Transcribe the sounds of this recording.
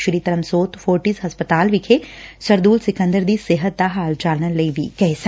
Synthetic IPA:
ʃɾiːt̪əɾəmsoːt̪fʰoːɾʈizɦɐspət̪aːlʋɪkʰesəɾd̪uːlsɪkə̃nd̪əɾd̪iːsɪɦət̪̚d̪aɦaːld͡ʒaːlnələiʋiːkɛis

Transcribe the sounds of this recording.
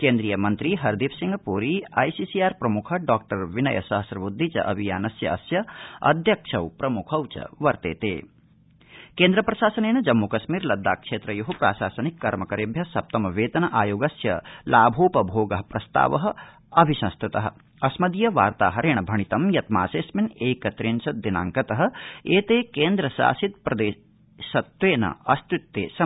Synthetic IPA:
keːnd̪ɾijɐmɐnt̪ɾiɦɐɾd̪iːpsiŋɡɐpuːɾiːa̰ːjsiːsijaːɾpɾɐmukʰɐ̆ɖaːk̚ʈɐɾʋinɐ̰jɐ̰sɐɦɐsɾɐbud̪ʱːit͡ʃɐ̰ʔɐbʱijaːnɐsjɐɐsjɐɐ̰d̪ʱjɐkʂʰɐwpɾɐmukʰɐwt͡ʃɐ̰ʋɐɾt̪ḛːt̪ḛː | keːnd̪ɾɐpɾɐʃaːsɐneːnɐd͡ʒɐmːukɐʃmiːɾlɐd̪ːaːkʂeːt̪ɾɐjuɦupɾa̰ːʃaːsɐnikːɐɾmɐkɐɾeːbʱjɐsɐp̚t̪ɐmɐʋeːt̪ɐnɐʔaːjoːɡɐsjɐ̰laːbʱoːpɐbʱoːɡɐɦɐpɾɐst̪a̰ːʋɐɦɐ̆ | ɐbʱisɐ̃nst̪ʰut̪ɐɦɐ̰̆ | ɐsmɐd̪ijɐʋaːɾt̪a̰ːɦɐɾeːɳ̃ɐbʱɐɳit̪ɐmjɐt̪maːseːsmineːkɐt̪ɾiːnsɐd̪ina̰ːŋkɐt̪ɐɦɐ̆eːt̪eːkeːnd̪ɾɐʃa̰ːsit̪̚pɾɐd̪eː | sɐt̪ʋeːnɐ̰ɐst̪ut̪ːeːsɐ

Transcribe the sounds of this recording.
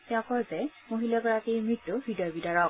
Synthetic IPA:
tɛɔ̃kɔzɛmoɦilɔkɔɹakijmɹitːʊbidɔjbidaɹɔk̚

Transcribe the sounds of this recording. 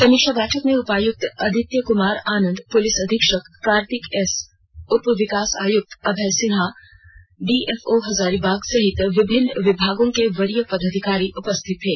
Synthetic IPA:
kɐmɪkʃabɛːʈʰəkmẽʊpaːjʊk̚t̪ɐd̪ʱɪt̪jəkʊmaːɾaːnə̃nd̪pʊlɪsɐd̪ʱɪkʃəkːaːɾt̪ɪkɛs | ʊt̪pəʋɪkaːsa̰ːjʊk̚t̪ɐbʱɛːsɪnɦa | ɖiːɛfoɦɐzaːɾibaːɡsɐɦɪt̪ʋɪbʱɪnːʋɪbʱaːɡõkeʋɐɾijəpɐd̪əd̪ʱɪkaːɾiʔʊpəst̪ʰɪt̪ɦeː

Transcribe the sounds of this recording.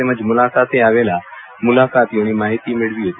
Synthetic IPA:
emə̃d͡ʒmʊlaːkaːt̪eaːʋeːla | mʊlaːkaːt̪joñimaːɦɪt̪imɪɽʋiːɦe

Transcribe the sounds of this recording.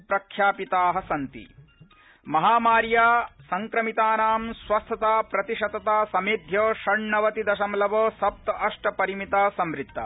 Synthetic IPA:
pɾɐkʰːjaːpit̪aːɦɐsɐnt̪ḭ | mɐɦaːmaːɾjaːsɐŋkɾɐmit̪aːnaːmsʋɐst̪ʰɐt̪aːpɾɐt̪iʃɐt̪ɐt̪aːsɐmeːd̪ʱjoːʃɐɳɳɐʋɐt̪id̪ɐʃɐmlɐʋoːsɐp̚t̪ɐɐʂʈɐpɐɾimit̪aːsɐmɾit̪ːɐ̰

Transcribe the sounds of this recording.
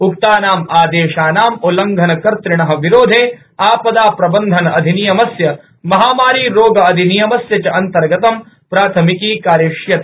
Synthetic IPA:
ukt̪aːnaːmaːd̪eːʃaːnaːmolɐŋɡʱɐnɐkɐɾt̪ɾɪɳɐɦɐ̆ʋiɾoːd̪ʱeː | aːpɐd̪aːpɾɐbɐnd̪ʱɐnɐɐd̪ʱinijɐmɐsjɐ | mɐɦaːmaːɾiːɾoːɡɐːd̪ʱinijɐmɐsjɐt͡ʃɐʔɐnt̪ɐɾɡɐt̪ɐm | pɾaːt̪ʰɐmikiːkaːɾjeːʂjɐt̪̚

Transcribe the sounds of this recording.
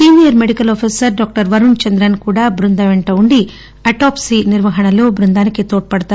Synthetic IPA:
ʈiːmijɐɾmeɖikɐlɔːpʰiːsɐɾɖaːk̚ʈɐɾʋɐɾunt͡ʃɐnd̪ɾɐnkuːɽaːbɾund̪ɐʋeɳʈɐuɳɖi | ɐʈaːpsiniɾʋɐɦɐɳɐloːbɾund̪aːnikit̪oːʈ̚pɐɽɐt̪aː

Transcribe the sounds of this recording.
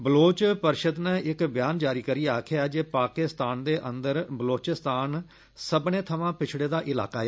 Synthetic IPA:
bəloːt͡ʃpəɾʃəd̪nɛ̃ːʔɪkbɪjaːnd͡ʒaːɾiːkəɾiːaːkʰjaːd͡ʒeːpaːkɪst̪aːnd̪eːʔə̃nd̪əɾbəloːt͡ʃɪst̪aːn | səbɳeːt̪ʰəʋãːpɪt͡ʃʰɽeːd̪aːʔɪla̰ːkaːɛː

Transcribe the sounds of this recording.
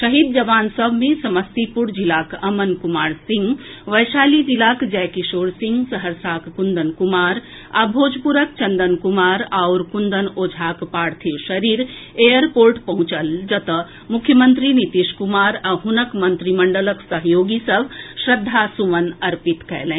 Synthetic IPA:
ʃəɦid̪̚d͡ʒəʋaːnsəbʱmẽsəməst̪ipuɾd͡ʒilaːkəmənkumaːɾsĩŋɡʋəjsaːlid͡ʒilakd͡ʒɛːkiʃoːɽsĩŋɡsəɦəɾsaːkkund̪ənkumaːɾ | a̰bʱoːd͡ʒpuɾək̚t͡ʃə̃nd̪ənkumaːɾaʊɾkund̪ənoːd͡ʒʱakpaːɾt̪ʰiʃəɾiːɾejəɾpoːɾʈpɐɦʊ̃t͡ʃəld͡ʒət̪ə | mukʰːjəmənt̪ɾinit̪iʃkumaːɾaɦunəkmənt̪ɾiməɳɖələksəɦjoːɡisəbʱʃɾəd̪ʱːasuʋənɐɾpit̪kɛ̰lɛ̃

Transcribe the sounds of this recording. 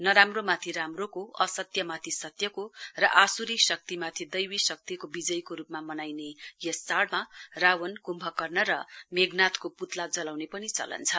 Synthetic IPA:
nʌɾamromat̪ʰiɾamrokoʌsʌt̪jʌmat̪ʰisʌt̪jʌkorʌʔasuɾisʌk̚t̪imat̪ʰid̪ʌjwisʌk̚t̪ikobid͡zʌjkoɾupmamʌnajnejʌst͡saɽmarawʌnkumbʱʌkʌrnʌɾʌmeɡnat̪koput̪lad͡zʌlawnepʌnit͡sʌ̰lʌ̰nt͡sʰʌ

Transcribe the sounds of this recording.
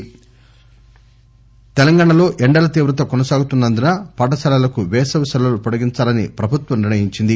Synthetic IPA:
t̪ɛlɐŋɡaːɳɐlo̞ːʔɛɳɖɐlɐt̪iːʋɾɐt̪ɐkɔnɐsaːɡut̪unːɐnd̪unɐpɐʈ̬ɐsɐlɐlɐkuʋɛːsɐʋɐsɐlɐlupɐɽɐɡiɲt͡ʃaːlɐnḭpɾɐbʱut̪ʋɐmniɾnɐjiɲt͡ʃind̪i

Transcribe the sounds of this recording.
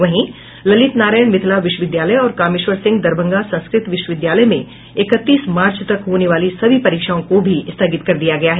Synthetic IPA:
ʋɐɦĩ | lɐlɪt̪naːɾaːjəɳmɪt̪ʰlaʋɪʃwəʋɪd̪jaːləjɔːɾkaːmɪʃʋəɾsɪ̃ŋɡd̪ɐɾbʱə̃ŋɡasɐ̃nskɾɪt̪ʋɪʃwəʋɪd̪jaːləjmẽ | ɪkət̪ːiːsmaːɾt͡ʃt̪ɐkɦoːneʋaːlisɐbʱipɐɾiːkʃaːõkobʱiɪst̪ʰəɡɪt̪kɐɾd̪ijaɡɐjaɦɛ

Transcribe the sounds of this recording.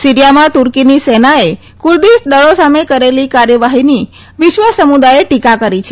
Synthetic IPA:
siɾijamãt̪uɾkinisenae | kuɾd̪isd̪əɭosamekəɾelikaɾjəʋaɦini | ʋɪʃʋəsəmud̪ajeʈikakəɾit͡ʃʰe

